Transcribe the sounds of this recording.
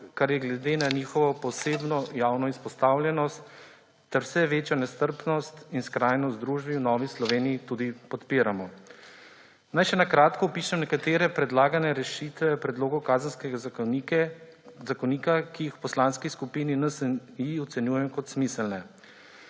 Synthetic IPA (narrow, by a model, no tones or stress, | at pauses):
kaɾjɛɡlɛd̪eːnanixɔʋɔpɔseːbnɔjawnɔispɔst̪awlʲjɛnɔst̪ː | ɛɾwsɛʋeːt͡ʃjɔnɛst̪əɾpnɔst̪inskɾajnɔzd̪ɾuʒbiwnɔːʋislɔʋeːnijit̪uːd̪ipɔt̪piːɾamɔ | najʃɛnakɾaːt̪kɔupiʃɛmnɛkat̪eːɾɛpɾɛd̪laːɡanɛɾɛʃit̪ʋɛpɾɛd̪loːɡɔwkaːzənskɛɡa | zakɔniːkakijixwpɔslanskiskupininəsənjiɔt̪sɛnjuːjɛjɔkɔt̪smisəlnɛ